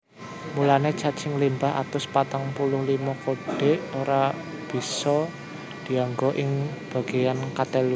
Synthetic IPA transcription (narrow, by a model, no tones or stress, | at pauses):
mulanet͡ʃat͡ʃɪŋlimbaɦa̰t̪ʊspat̪aŋpulʊhlimɔkoɖ̥e̤ʔoɾa | b̥i̤sɔ | d̪̥i̤aŋɡɔʔɪŋb̥a̤ɡ̥e̤jankat̪el